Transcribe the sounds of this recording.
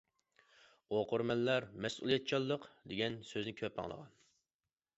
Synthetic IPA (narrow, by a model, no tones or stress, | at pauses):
oqʊɾmɛnlæɾmɛsṵlˠijɛt̪̚t͡ʃʰɑlˠːəqd̪eɡʲɛnsøznɪkʲʰøpːɑ̰ŋlˠə̰ʁɑ̰n